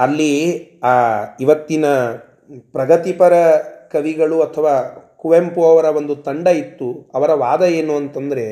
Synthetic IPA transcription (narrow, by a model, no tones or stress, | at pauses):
ɐlːiaːiʋɐt̪ːinɐ | pɾɐɡɐt̪ipɐɾɐkɐʋiɡɐɭuɐt̪ʰːɐʋaːkuʋempuɐʋɐɾɐʋo̞nd̪ut̪ɐɳɖɐit̪ːuɐʋɐɾɐʋaːd̪ɐje̞ːnuɐnt̪ɐnd̪ɐɾe̞